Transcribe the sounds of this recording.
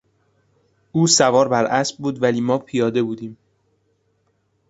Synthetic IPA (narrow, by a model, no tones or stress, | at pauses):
ʔuːsævɒːɾbæɾʔæsb̚buːd̪væliːmɒːpʰijɒːd̪e̞buːd̪iːm